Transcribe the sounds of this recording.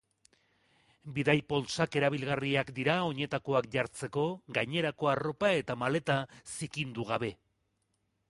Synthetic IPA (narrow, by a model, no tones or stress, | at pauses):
biðajpo̞lsake̞ɾaβ̞ilɣariakd̪iɾao̞ɲe̞t̪ako̞akʝaɾt͡se̞ko̞ɡajɲe̞ɾako̞aro̞pae̞t̪amale̞t̪asikind̪uɣ̞aβe̞